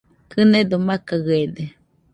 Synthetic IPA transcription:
kɨned̪omakaɣed̪e

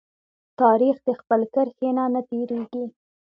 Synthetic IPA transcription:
t̪ɑɾixd̪əxpəlkəɾxenanat̪eɾeɡi

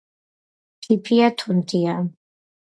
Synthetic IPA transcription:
tʰipʰiat̪ʰɔnt̪ʰia

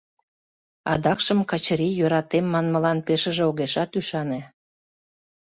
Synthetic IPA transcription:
ɑd̪ɑkʃəmkɑt͡ɕəɾijøɾɑt̪emːɑnmə̆lɑnpeʃə̆ʒeoɣeʃɑt̪yʃɑnĕ

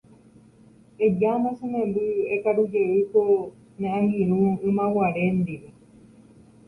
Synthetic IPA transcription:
ed͡ʒamãsemẽmbɨekaɾud͡ʒeiko | ɲãʔãŋɡiɾ̃ũɨ̃mãwaɾend̪iɾe

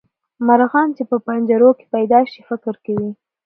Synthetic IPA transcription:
maɾɣɑnt͡ʃepəpand͡ʒaɾoke̥pajd̪ɑʃifɪkɾkawi

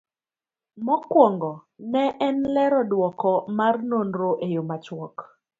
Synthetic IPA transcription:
mɔkwɔŋɡɔnɛʔɛnlɛɾɔdwɔkɔmarnonɾoʔejomat͡ʃwɔk

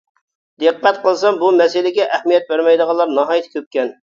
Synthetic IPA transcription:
d̪eqʰːɛt̪qʰəlˠsɑmbumɛsɪlɪɡʲɛʔɛhmijɛt̪̚bæɾmɛjd̪əʁɑlˠɑɾnɑɦɑːjt̪ʰɪ̥kʲʰøp̚kʲɛn

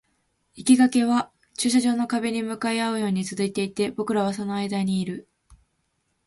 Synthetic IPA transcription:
ikʲiɡake̞βa | t͡ɕɨːɕaʑo̞ːno̞kabe̞ɲ̟imɯ̟kaeaɯ̟jo̞ːɲ̟it͡sɨzɨit̪e̞it̪e̞bo̞kɯ̟ɾaβ̞aso̞no̞aid̪aɲ̟iːɾɯ̟

